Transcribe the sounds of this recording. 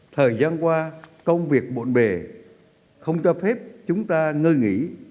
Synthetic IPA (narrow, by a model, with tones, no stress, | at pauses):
t̪ʰəː˨˩jzaː˧nkwaː˧kə˧wŋ͡mvi˨˩ək̚ɓo̰˧˨nɓe˨˩ | xə˧wŋ͡mt͡ɕɔ˧fe˦˥p̚t͡ɕʊ˨˦ŋ͡mt̪aː˧ŋəː˧jŋḭ˧˥